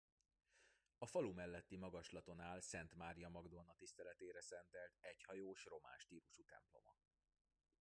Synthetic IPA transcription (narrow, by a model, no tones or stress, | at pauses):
ɒfɒlumɛlːɛt̪ːimɒɡɒʃlɒt̪o̞naːlsɛnt̪maːɾijɒmɒɡd̪o̞nɒt̪ist̪ɛlɛt̪eːɾɛsɛnt̪ɛlt̪ɛɟhɒjoːʃro̞ma̰ːʃt̪iːɾuʃut̪ɛ̰mplo̞̰mɒ̰